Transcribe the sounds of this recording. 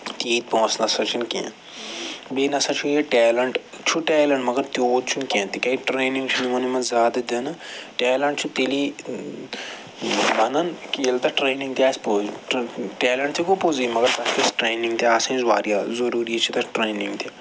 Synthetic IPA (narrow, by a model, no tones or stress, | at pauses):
t̪iːt̪̚põːsnɐsɐt͡ʃʰinkʲḛ̃ː | beːnɐsɐt͡ʃʰujeʈɛːlɐɳʈ | t͡ʃʰuʈɛːlɐɳʈmɐɡɐɾt̪ʲoːd̪̚t͡ʃʰunkʲẽːt̪ikɐiʈɾeːnĩŋɡt͡ʃʰunimɐnimɐzjaːd̪ɐd̪ɐnɐʈɛːlɐɳʈ̚t͡ʃʰut̪eli | bɐnɐnkilt̪ɐʈɾeːnĩŋɡt̪iaːspo | ʈeːlɐɳʈ̚t̪ʰikupozimɐɡɐɾt̪ɐspɐsʈɾeːnĩŋɡt̪iaːsẽzʋa̰ːɾijazɐɾuːɾiet͡ʃʰit̪ɐʈɾeːnĩŋɡt̪ʰi